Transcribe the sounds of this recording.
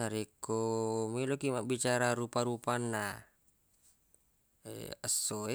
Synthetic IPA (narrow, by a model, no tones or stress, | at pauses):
aɾikomilokimabit͡ʃaɾaɾupaɾupanːa | ḛəsːoe